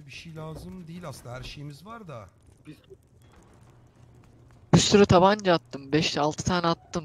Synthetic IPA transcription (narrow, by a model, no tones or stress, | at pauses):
biʃejlʲaːzɯmd̪ejilʲasɯnd̪aɦæɾʃejimizvaɾd̪a | b̥isyɾyt̪ʰaband͡ʒaat̪ːɯmbɛʃt̪ʰɛalˠt̪ʰɯ̥t̪ʰanat̪ːɯm